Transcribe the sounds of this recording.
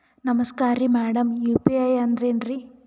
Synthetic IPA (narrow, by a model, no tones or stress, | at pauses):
nɐmɐskaːɾimɛːɽɐmjuːpiɐjɐnd̪ɾenɾi